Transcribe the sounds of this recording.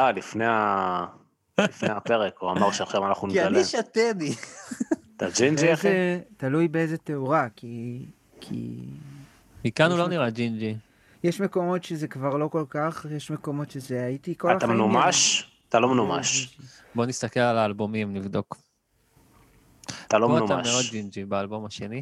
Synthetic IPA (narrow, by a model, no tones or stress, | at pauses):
alifneja | ifnejaeʁekuamaʁʃeaʃamanaχnumiialiʃat̪eni | t̪ad͡ʒind͡ʒiiet̪alujbeezet̪euʁaki | kʰḭ | mikanuloniʁad͡ʒind͡ʒi | jeʃmeko̞mo̞tʃezekvaʁlo̞ko̞lkaχjeʃme̞ko̞mo̞tʃezeajit̪ikoalatamnumaʃat̪alomnuma̰ʃ | bo̞nist̪ake̞lalaːlbomimnivd̪o̞k | t̪alooanumaa̰meo̞d̪̚d͡ʒind͡ʒibaːlbo̞maʃe̞ni